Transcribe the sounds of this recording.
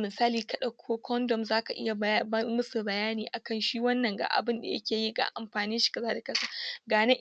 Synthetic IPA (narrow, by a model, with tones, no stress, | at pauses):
mɪ˨saː˦liː˨kɐ˦ɗɐ˨kʷʰːoː˦kʰʷɔ˦ndɔ˨mzaː˦ka˨ʔɪ̰˦ja˨˦mʊ˦su˨bɐ˨jaː˦niː˨ʔa˨kɐ˦˨nʃiː˦wɐ˦nːɐ˨ŋɡa̰ː˨ʔa̰˨bɪ˦nda̰˨jɐ̰˦kʲeː˨ji˦ɡa̰ː˨ʔa˨mɸaː˨ni˦nʃi̥˨kɐ˨zaː˦da˨kɐ˦saː˦ɡaː˨ne˦ʔ